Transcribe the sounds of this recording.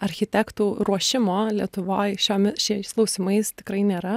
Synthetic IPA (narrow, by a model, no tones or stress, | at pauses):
ɐɾʲxʲɪt̪ʲækt̪uːɾuɔʃʲɪmoːlʲiɛt̪ʊʋoːjʃʲoːmʲɛʃʲiɛsklˠɐʊsʲɪmɐɪst̪ʲɪkɾɐɪnʲeːɾɐ